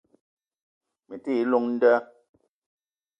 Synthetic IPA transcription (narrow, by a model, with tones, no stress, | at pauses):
mi˨ti˦˨˦lu˦ŋn̩˦də˦